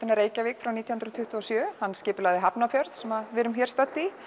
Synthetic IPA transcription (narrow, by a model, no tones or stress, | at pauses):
anɪɾeːjcavɪːkfɾawniːt̪jihɯnɾt̪ʰʏht̪uɔsjœːhanːscɪːpɪlaɣðɪɦapnafjœɾð̥sɛmaðvɪːɾʏmçɛɾst̪œt̪ːi